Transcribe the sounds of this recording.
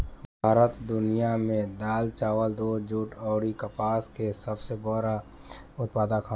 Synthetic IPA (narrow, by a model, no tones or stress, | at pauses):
bʱaːɾət̪d̪ʊnijamẽd̪aːlt͡ʃaːwəld̪oːd͡ʒuːʈɔːɾikəpaːskesəbsebəɾa | ʊt̪̚paːd̪akʰa